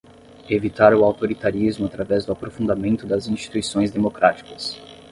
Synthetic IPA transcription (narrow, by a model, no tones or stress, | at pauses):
evit̪aɾʊawt̪oɾit̪aɾizmʊat̪ɾavɛzd̪ʊapɾofũnd̪amẽnt̪ʊd̪ɐzĩst͡ʃi̥t̪uisõj̃zd̪emokɾat͡ʃi̥kɐs